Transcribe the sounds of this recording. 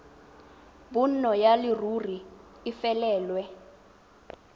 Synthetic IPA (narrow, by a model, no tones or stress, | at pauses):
bun̩nɔjaliruriː | fɛlɛːlwɛ